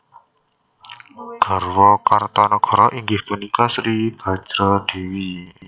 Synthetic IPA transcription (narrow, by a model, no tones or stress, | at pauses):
ɡ̥ə̤rwɔkart̪ɔnɔɡ̥ɔ̤ɾɔʔiŋɡɪhpunikasɾib̥a̤̥d͡ʒɾəd̪̥e̤wi